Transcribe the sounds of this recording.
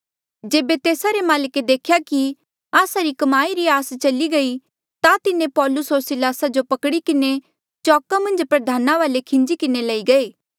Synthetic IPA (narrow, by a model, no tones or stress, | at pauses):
d͡ʒeːbet̪eːsaɾemaːlɪked̪eːkʰjaki | aːsaɾikɐmaːiɾiaːst͡ʃɐliɡɐi | t̪at̪ɪnepɔːlʊsɦoːɾsɪlaːsad͡ʒopɐkɽikɪne | t͡ʃɔːkamɐ̃nd͡ʒpɾɐd̪ʱaːnaʋaːlekʰɪ̃nd͡ʒikɪnelɐiɡɐeː